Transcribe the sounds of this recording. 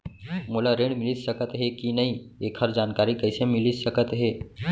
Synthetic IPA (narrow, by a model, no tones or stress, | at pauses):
molaɾẽːɽmɪlisəkət̪ɦekinɐɦĩeːkʰɦəɾd͡ʒaːnkaːɾikɐɪsemɪlisəkət̪ɦeː